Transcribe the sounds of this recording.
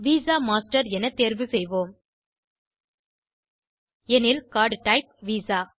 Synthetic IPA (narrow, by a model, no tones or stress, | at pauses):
ʋiːzaːmaːsʈɐɾɛnɐt̪eːɾʋɯsɛjʋoːm | ɛnɪlkaːɾɖʈɐɪp̚ʋiːsaː